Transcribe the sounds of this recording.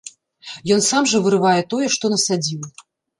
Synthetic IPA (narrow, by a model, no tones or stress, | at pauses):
jɔnsamʐɐvɨɾɨvajɛt̪ɔjɛʂt̪ɔnɐsad͡zʲiw